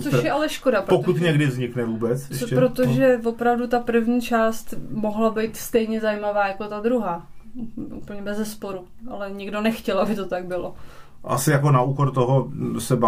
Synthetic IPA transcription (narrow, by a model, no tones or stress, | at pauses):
t͡soʃjɛʔalɛʃkodapɾpokut̪ɲɛɡdɪvzɲɪknɛvuːbɛt͡sʃɛpɾot̪oʒɛvo̞pɾavdut̪apr̩vɲiːt͡ʃaːst̪mo̞ɦlabɪjt̪st̪ɛjɲɛzajimavaːjako̞t̪ad̪ɾuɦaːʔṵpl̩ɲɛbɛzɛspo̞ɾu | ʔalɛɲɪɡdonɛxcɛlabɪt̪o̞t̪aɡ̚bɪlo̞ | ʔa̰sɪjakonaʔuːkoɾt̪oɦosɛba